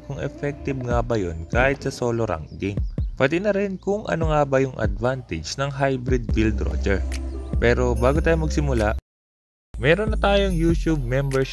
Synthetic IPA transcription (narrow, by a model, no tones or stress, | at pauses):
kʊŋʔɛfɛk̚t̪ɪb̚ŋabɐjonkaːhɪt̪̚sɐsoːloɾa̰ŋɡɪŋpɐt̪ɪnɐɾɛnkʊŋʔɐ̰noŋabɐjʊŋʔɐ̰d̪vant̪ɛd͡ʒnɐŋɦajbɾɪd̪̚vild̪ɾo̰d͡ʒɛɹpɛːɾo̞baːɡot̪aːjomɐɡsɪmʊlaʔ | mɛːɾonːɐt̪aːjoŋjuːʃub̚mɛmbɛɹʃ